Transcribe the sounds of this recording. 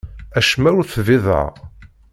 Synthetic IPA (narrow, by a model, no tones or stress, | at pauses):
æʃmæʊɾθvɪðˤə̰